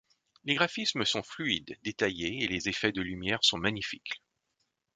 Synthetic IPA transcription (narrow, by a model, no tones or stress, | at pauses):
leɡʁafisməsɔ̃flyid̪d̪et̪ajeːlezefɛd̪əlymjɛʁsɔ̃maɲifik